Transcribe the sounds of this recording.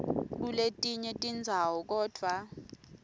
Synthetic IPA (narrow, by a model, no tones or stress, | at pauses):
kuletʼiɲɛtʼind͡zʱawɔk̬ɔːd̥ʱwa